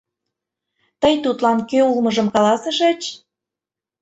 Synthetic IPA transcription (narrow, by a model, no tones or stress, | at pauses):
t̪əjt̪ut̪lɑnkøulmɤʒəmkɑlɑsə̆ʃet͡ɕ